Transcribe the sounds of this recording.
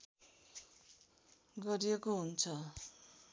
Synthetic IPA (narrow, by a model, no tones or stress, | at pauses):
ɡʌɾijekoɦunt͡sʰʌ